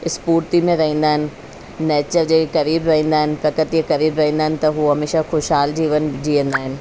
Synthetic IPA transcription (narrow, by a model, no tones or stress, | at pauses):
ɪspuːɾt̪imẽɾɐɦĩːn̆d̪aːɦɪnɪ̆ | neːt͡ɕəɾd͡ʑeːkɐɾiːbɾɐɦĩːnd̪aːɦɪnɪ̆pɐkət̪iekɐɾiːbɾɐɦĩːnd̪aːɦɪnɪ̆t̪ɐɦuɦɐmeːʃaxoʃɦaːld͡ʑiːʋənɪ̆d͡ʑiːʋə̃nd̪aːɦɪnɪ̆